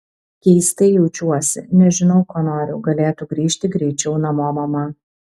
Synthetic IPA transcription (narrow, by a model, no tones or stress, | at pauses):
kʲɛɪst̪ɐɪjɛʊt͡ʃʲuɔsʲɪ̰nʲɛʒʲɪnɒʊkoːnoːɾʲʊʊɡɐlʲeːt̪uɡɾʲiːʃʲt̪ʲɪɡɾʲɛɪt͡ʃʲɛʊnɐmoːmɐmɐ